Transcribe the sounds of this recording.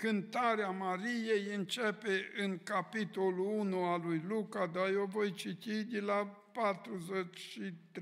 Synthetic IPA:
kɨnt̪aɾeamaɾijejɨnt͡ʃepe̞ɨŋkapit̪o̞luunualujlukad̪ajovo̞jt͡ʃit̪id̪ela | pat̪ɾuzet͡ʃʲʃit̪

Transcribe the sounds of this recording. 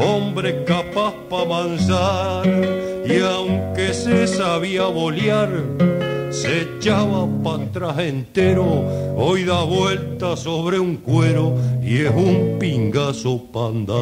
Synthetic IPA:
o̞mbɾe̞kapahpamansaɾ | iawŋke̞sesaβiaβo̞ljaɾ | se̞t͡ʃaβapant̪ɾase̞nt̪e̞ɾoojðaβwe̞lt̪aso̞βɾe̞uŋkwe̞ɾoiesumpiŋɡaso̞pand̪a

